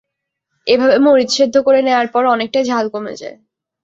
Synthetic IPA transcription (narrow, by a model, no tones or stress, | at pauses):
ebʱabemoɾit̪ʃed̪ʱːokoɾeneoaɾpɔɾɔnek̚ʈajd͡ʑʱalkomḛd͡ʑa̰e